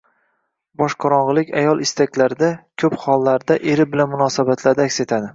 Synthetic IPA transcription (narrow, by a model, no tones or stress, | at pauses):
bɒʃqʰɑɾɒɴʁɨlˠɪkʲajɒlˠɪst̪ʰakʲlaɾɪd̪akʲʰɵphɒlˠːaɾd̪aʔeɾɪbɪlanmʊnɒsabat̪ʰlaɾd̪aːkʲse̞t̪ʰad̪ɪ